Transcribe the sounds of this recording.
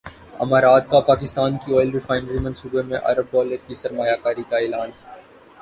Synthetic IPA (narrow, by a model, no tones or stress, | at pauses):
ɐ̰maːɾaːd̪̚kapaːkɪst̪aːnkiɔːjlɾɪfaːɪnəɾimɐ̃nsuːbemẽʔɐ̰ɾəb̚ɖɔːləɾkisɐɾmaːjakaːɾikaeːlaːnɦɛː